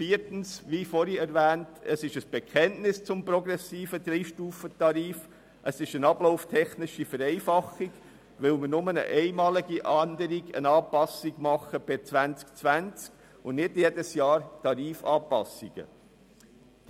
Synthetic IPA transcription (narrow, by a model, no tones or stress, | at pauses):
fiːəɾtn̩sʋifɔɾiɛɾvæːntəsɪʃəsb̥ɛkʰχɛntnɪst͡sʊmpɾɔɡɾɛsiːfəd̥̪ɾiːʃtuːfətɑɾiːf | ʔəsɪʃənɑbloʊftʰɛχnɪʃifəɾɛɪfɑχɪɡ | ʋɪlməɾnʊmənə̰ʔɛɪmɑːliɡiʔɑnd̪əɾiɡə̰nɑːpɑsiɡmɑχəb̥ɪt͡sʋænt͡sk̚t͡svænt͡sk | ʊnnɪdjɛdəsjɑːɾtɑɾiːfɑːpɑsɪɡ̥ə̰